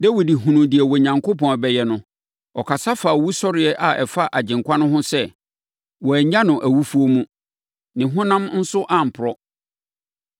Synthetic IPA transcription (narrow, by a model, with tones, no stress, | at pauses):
de˦wi˨di˨ɦũ˨nũ˨dɪ˨ɛ˨wɔ˨ɲã˨ŋkʰo˦pɔ̃˨bɛ˨jɛ˨nʊ̃˨ | ɔ˨kʰa˨sa˦fa˨wu˦sɔ˦ɾɪ˨ɛ˦ʔa˨ʔɛ˨fa˦ʔa˨d͡ʑɪ̃˨ŋkʰʷa˦nʊ̃˦ɦʊ̃˦sɛ˦ | wɔ˨ɲã˦nʊ̃˨ʔæ˨wu˦fu˦o˦mũ˦ | nɪ̃˨ɦʊ̃˦nã˦mn̩˦sʊ˦ʔa˨m̩˨pʰʊ˨ɾɔ˦